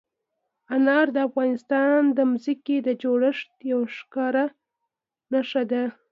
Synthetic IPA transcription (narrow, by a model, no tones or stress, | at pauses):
anɑɾd̪əafɣɑnɪst̪ɑnd̪əmuziked̪əd͡ʒoɽəʂt̪jawʃkɑɾa | naʃad̪a